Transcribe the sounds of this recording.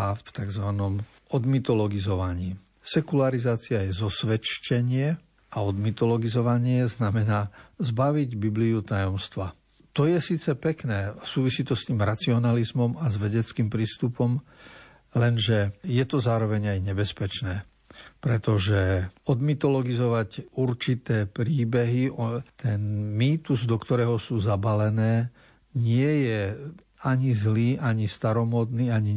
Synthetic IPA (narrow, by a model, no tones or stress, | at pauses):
aft̪aɡzʋanɔm | ɔd̪mit̪ɔlɔɡizɔʋaɲiː | sɛkulaɾizaːt͡siajɛzɔsʋɛt͡ʃcɛɲɪɛ | aɔd̪mit̪ɔlɔɡizɔʋaɲɪɛznamɛnaːzbaʋiɟbibliut̪ajɔmst̪ʋa | t̪ɔjɛsiːt͡sɛpɛknɛːsuːʋisiːt̪ɔst̪iːmɾat͡siɔnalizmɔmazʋɛɟɛt͡skiːmpɾiːst̪upɔm | lɛnʒɛjɛt̪ɔzaːɾɔʋɛɲajɲɛbɛspɛt͡ʃnɛː | pɾɛt̪ɔʒɛɔd̪mit̪ɔlɔɡizɔʋacuɾt͡ʃit̪ɛːpɾiːbɛɦiɔt̪ɛnmiːt̪uzd̪ɔkt̪ɔɾɛːɦɔsuːzabalɛnɛː | ɲɪɛjɛ | aɲizliːʔaɲist̪aɾɔmɔd̪niːaɲi